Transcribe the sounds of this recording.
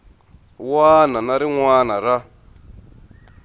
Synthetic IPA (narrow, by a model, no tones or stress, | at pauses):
waːnanaɾiŋwaːnaɾa